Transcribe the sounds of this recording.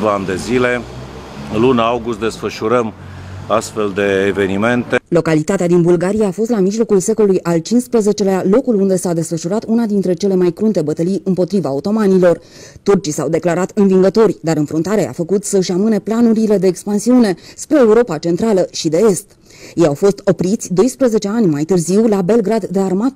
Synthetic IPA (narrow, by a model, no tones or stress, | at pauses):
vaand̪e̞zile̞ | lunawɡust̪̚d̪e̞sfəʃuɾəm | ast̪fe̞ld̪e̞ːve̞nime̞nt̪elo̞kalit̪at̪ead̪inbulɡaɾijaːfo̞s̬t̪lamiʒlo̞kulse̞ko̞lujʔalt͡ʃinspɾəze̞t͡ʃe̞lealo̞kulund̪e̞sad̪e̞sfəʃuɾat̪unad̪int̪ɾe̞t͡ʃe̞le̞majkɾunt̪e̞bət̪əlijɨmpo̞t̪ɾivaot̪o̞manilo̞r | t̪urt͡ʃisawd̪e̞klaɾat̪ɨnviŋɡət̪o̞rʲd̪aɾɨnfɾunt̪aɾea̰fəkut̪səɨʃamɨne̞planuɾile̞d̪e̞ːkspansiune̞spɾe̞ːuɾo̞pat͡ʃe̞nt̪ɾaləʃid̪e̞e̞st̪ | jejawfo̞st̪o̞pɾit̪sʲd̪o̞jspɾəze̞t͡ʃe̞anʲmajt̪ɨrziwlabe̞lɡɾad̪ːe̞armat̪